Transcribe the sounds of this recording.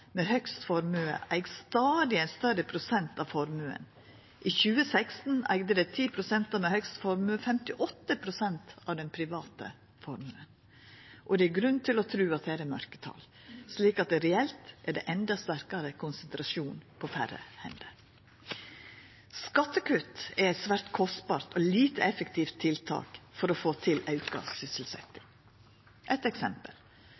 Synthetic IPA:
meːhœkst̪fɔɾmʉːə̰ʔæɪɡst̪ɑːd̪ɪæɪnst̪œɾəpʰɾʊsɛnt̪ɑʋfɔɾmʉːə̰n | ʔiːçʉːəsæɪkst̪n̩æ̰ɪɡd̪əd̪ɛt̪ʰiːpʰɾʊsɛnt̪ɑmehœkst̪fɔɾmʉːəfɛmt̪ɪʔɔt̪ːəpʰɾʊsɛnt̪ɑʋd̪ɛnpʰɾɪʋɑːt̪ə̰ | fɔɾmʉən | ʔɔd̪ɛæɡɾʉnt̪ʰɪlɔt̪ʰɾʉːɑt̪̚d̪ɛæɾɛmœɾkə̥t̪ʰɑ̰l | sliːkɑt̪̚d̪ɛɾɛɛlt̪ʔæɖɛ̰ʔɛnd̪ɑst̪æɾkɑɾəkʰʊnsənt̪ɾɑʃuːnpʰɔfæ̰rə̰hɛ̰nd̪ə | skɑt̪ːəkʉt̪ɛæɪt̪sʋæɾt̪kʰɔst̪bɑːɾt̪ɔliːt̪əɛfəkt̪ʰiːft̪ʰːɪlt̪ʰɑ̰ːkfɔɾɔfoːt̪ʰɪlɑʉkɑ̰sɪsəlsɛ̰t̪ːɪ | ʔɛt̪ɛksɛmpə̰l

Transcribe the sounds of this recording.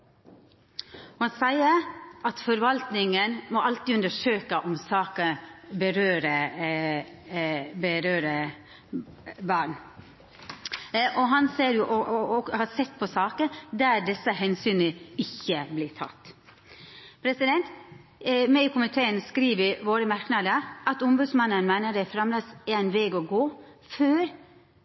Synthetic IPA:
hɑnsæɪəɾʔɑt̪fɔɾʋɑlt̪nɪŋənmɔʔɑlt̪iːʉnd̪əʂøːkəʔɔmsɑːkəbəɾøːɾə | bəɾøːɾə | bɑːɳ | ʔɔɦɑnseːɾjʊʔɔhɑsɛt̪ːpʰɔsɑːkəd̪æɾd̪ɛsəɦɛnsyːnəɪçːəblɪːʈʰɑ̰t̪ː | pʰɾɛsɪd̪ɛnt̪ | mɛɪkʰʊmɪt̪ʰeːənskɾiːʋəɾʋoːɾəmɑɾknɑd̪əʔɑt̪ʊmbʉːd̪smɑnːənmæɪnəɖæɪfɾɑmləsæɾæɪnʋeːɡɔːɡoː | føːɾ

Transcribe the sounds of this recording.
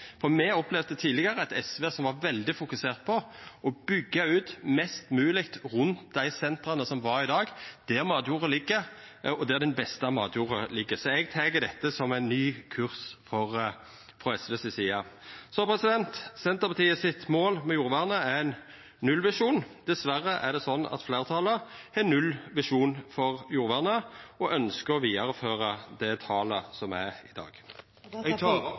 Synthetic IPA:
fɔmɛɔplɛʋd̪ət̪ʰiːlɪɡəʁəɑt̪ɛsʋeːsɔmʋɑɾʋɛld̪ɪfʊkʉseːʁt̪̚pʰɔʔɔbʏɡːɑʉːt̪mɛst̪mʉːlɪkt̪ʁʉnt̪̚d̪æɪsɛnt̪ʁɑnəsɔmʋɑɾɪd̪ɑːɡd̪̥ɛʁmɑːd̪juːʁəlɪɡːə | ɔd̪ɛæd̪ɛnbɛst̪əɑmɑ̰ːd̪juːʁəlɪɡːəsɔɛɡ̚t̪ʰɛɡəd̪ɛt̪ːəsɔmæɪnnyːkʰʉʁsfɔʁ | fʁɔɛsʋɛsɛsiːɑsɔpʰʁɛsɪd̪ɛnt̪sɛnt̪əpʰɑt̪ʰiːəsɪt̪moːlmɛjuːɾʋæʁnəæɛnː | ʉlʋɪʂuːnd̪̥ɛsʋæʁːəʔæʁd̪ɛsɔnːɑ̰t̪fleːʁt̪ʰɑːləɛnːʉlʋɪʂuːnfɔʁjuːɾʋæʁnəɔʔœnskəɾɔʋiːɑɾføːʁəd̪ɛt̪ʰɑːləsɔmæɪd̪ɑ̰ːɡ̥

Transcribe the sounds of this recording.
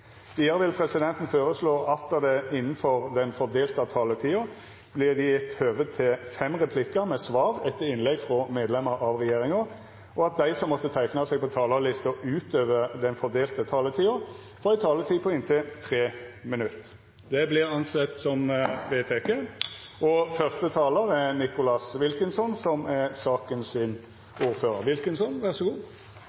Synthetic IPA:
ʋ̪iːəʁəʋɪlpʰɾɛsɪd̪ɛnt̪n̩føːɾəsloːʔɑt̪ːəd̪ɛɪnːn̩fɔʁd̪ɛnfɔd̪eːlt̪ɑt̪ʰɑːlət̪ʰiːʊ | b̥lɪʁd̪ɪjɛt̪ːhøːʋət̪ʰːɪlfɛmʁɛpʰlɪkːəʁmɛsʋɑːʁɛt̪ːəɪnlɛɡfʁɔmeːd̪lɛməɾʔɑʋʁɛjeːʁɪŋʊ | ʔɔɑt̪̚d̪æɪsɔmːɔt̪ːət̪ʰæɪknɑseːɡ̚pʰɔt̪ʰɑːləlɪst̪ɔʔʉːt̪øːʋəd̪ɛnfɔd̪eːlt̪ət̪ʰɑːlət̪ʰiːʊ | fɾɔæɪt̪ʰɑːlət̪ʰiːpʰɔɪnt̪ʰɪlt̪ʰʁeːmɪnʉt̪ː | d̪ɛblɪʁɑnsɛt̪ːsɔmʋeːt̪ʰeːkeʔɔfœʁst̪ət̪ʰɑːləʁɛnɪkʊlɑsʋɪlkənsɔnsɔmæʁsɑːkənsɪn | ʔuːʁføːʁəʁʋɪlkənsɔnʋæʁsɔɡuː

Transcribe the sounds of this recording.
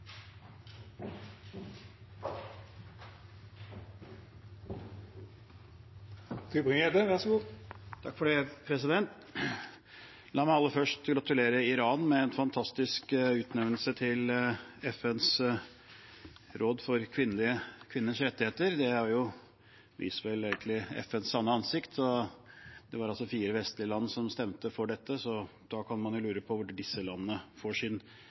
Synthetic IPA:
t̪ʰɪbʁɪŋəd̪əʋæʂɔɡuːt̪ʰɑkːfɔɖeːpʰɾɛsɪd̪ɛnt̪ | lɑːmæɪɑlːəfœʂʈɡɾɑt̪ʉleːɾəɪɾɑːnmɛɛnfɑnt̪ʰɑst̪ɪskʉːt̪nɛʋnl̩sət̪ʰɪlɛfɛns | ɾʔoːd̪fɔɾkʰʋɪnːəlɪəkʰʋɪnːəʂɾɛt̪ːɪheːt̪əɾd̪ɛæɾjʊ | ʋʔɪ̰sʋɛlæːɡənlɪɛ̰fɛnsːɑnːəɑnsɪkt̪ʰɔ | d̪̥ɛʋɑɾɑlsɔfiːɾəʋɛst̪lɪəlɑnːəsɔmst̪ɛmt̪əfɔɖɛt̪ːəsɔd̪̥ɑːkʰɑnmɑnjʊlʉːɾəpʰɔʋʊɖɪsəlɑnːəːəfoːʂɪn

